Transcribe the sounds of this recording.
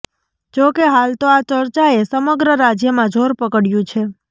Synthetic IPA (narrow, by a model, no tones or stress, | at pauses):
d͡ʒokeɦalt̪oat͡ʃəɾt͡ʃaesəməɡɾəɾad͡ʒjəmãd͡ʒʱoɾpəkəɽjũt͡ʃʰe